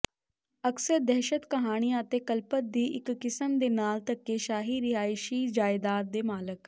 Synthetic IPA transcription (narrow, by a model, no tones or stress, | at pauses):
əksəɾd̪ɛːʃət̪kəɦaːɽ̃ijãːət̪eːkəlpət̪̚d̪iːʔɪkːɪsəmd̪eːnaːlt̪əkːeːʃaːɦiːɾɪɦaːɪʃiːd͡ʒaːɪd̪aːt̪̚d̪eːmaːlək